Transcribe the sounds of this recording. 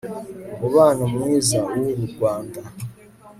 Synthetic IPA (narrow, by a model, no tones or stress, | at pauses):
uβaːnomwiːzauuβuɡwaːnda